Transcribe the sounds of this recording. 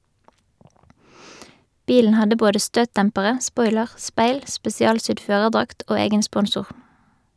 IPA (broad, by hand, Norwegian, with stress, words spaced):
ˈbiːln̩ ˈhɑdə ˈboːdə ˈstøːtˌtɛmpəʁə ˈspɔʏləʁ ˈspeɪl spɛsɪˈɑːlˌsʏd ˈføːʁəʁˌdʁɑkt ˈʔoː ˈeːɡən ˈspɔnsʊʁ